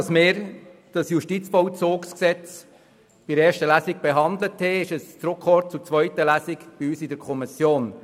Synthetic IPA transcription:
ɑsmɪːɾd̥ɑsjuʃtit͡sfɔʊt͡soːksksɛt͡s | b̥ɪɾɛːʃtəlæsɪk̚bɛɦɑnd̪ləthɛɪʃəst͡sɾʊkχɔt̚t͡sut͡svœʏtəlæsɪkb̥iyːsɪdəɾkʰɔmɪsjoːn

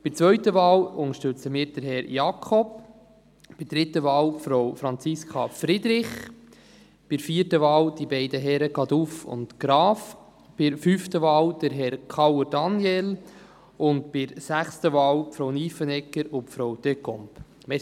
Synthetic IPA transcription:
b̥ɪt͡sʋœɥtəʋɑːlʊŋəʃtʏt͡səmiːɾd̥əɾɦɛɾjɑkʰɔp | b̥ɪd̥ɾɪtəʋɑːlpfɾowfɾɑnt͡sɪskʰɑfɾɪd̪ɾɪχ | b̥ɪɾfiːəɾtəʋɑːwd̥ibɛɪdəɦɛɾəɡɑd̪ufʊ̰ntkɾɑːf | b̥ɪɾfyftəʋɑːwd̥əɾɦɛɾkʰɑwd̥ɑnjɛl | ʊnt̚b̥ɪɾsæχstəʋɑːwpfɾowniːfənɛkːəɾʊpfɾowd̥ekɔmp | m

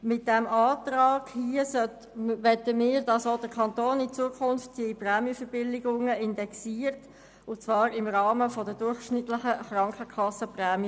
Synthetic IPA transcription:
mɪt̚d̥ɛmɑːt̪rɑːɡ̥hiəsœt | ʋɛtəmiːɾdɑsoːd̥əkʰɑnt̪oːnɪt͡suəkʰʊnftdiprɛːmjiəfəb̥ɪlɪɡʊŋəɪndɛksiːəɾt | ʊt͡svɑːɾɪmʁɑːməfɔdədʊɾχʃnɪtlɪχəχɾɑŋkχəkʰɑsːəprɛːmi

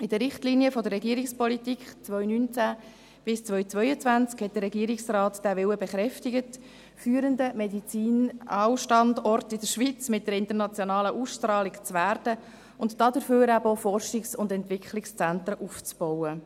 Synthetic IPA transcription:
ɪd̥əɾːɪχtliːniəfɔdəɾrːɛɡiːəɾɪkspɔlitiːkχt͡sʋœʏnynt͡sæ | b̥ɪst͡sʋœʏt͡sʋœʏət͡sʋænt͡skhɛt̚d̥̪əɾːɛɡiəɾɪksrɑːtd̥æʋɪwəbɛχɾɛftɪɡət | fyːɾəndəmɛdit͡siːnɑwʃtɑndɔrtɪdəɾʃʋit͡smɪt̚dəɾɪnt̪əɾnɑt͡sjonɑːləʔusʃtɾɑːlɪkt͡sʋæɾdə | ʊntd̥ɑdəɾføːɾæbəofɔrʃɪksʊndɛntʋɪkχlɪkst͡sænt̪ɾəʔuft͡sb̥ɔwə

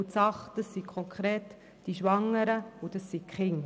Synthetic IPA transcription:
ʊtsɑχd̥əsːikʰχɔŋkχɾeːt | d̥iʃʋɑŋːəɾəʊd̥əsːikχɪŋ

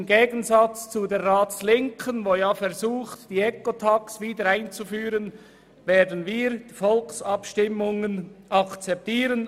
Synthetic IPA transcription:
mɡeːɡənzɑt͡st͡sudeːʁaːtt͡slɪŋkʰənvoːjaːfɛʁzuːxtd̥iːɛkotʰɑksviːdəɾaɪnt͡sufyːʁən | veːɐdən̩viːɾdfɔlksɑpʃtɪmʊŋənʔɑkt͡sɛp̚tiːʁən

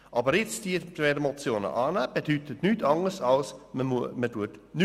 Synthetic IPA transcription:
ʔɑːbəɾjɪt͡sd̥ivɛdəmot͡sjoːnə̰ʔɑːnəb̥edytʰətnytʰɑŋəsɑlsməməduətny

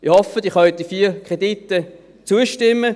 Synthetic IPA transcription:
ɪhɔfəd̥iχœdifiːkʁeditːə | t͡suəʃtɪmːə

